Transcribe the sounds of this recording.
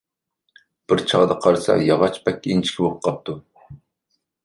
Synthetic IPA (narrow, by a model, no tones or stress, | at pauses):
b̥ɪɾt͡ʃʰɑʁd̪ɑqʰɑɾɨsɑ̰jɑʁɑt͡ʃbɛkʲːint͡ʃʰi̥kʲʰɪwoqqʰːɑp̚t̪ʰu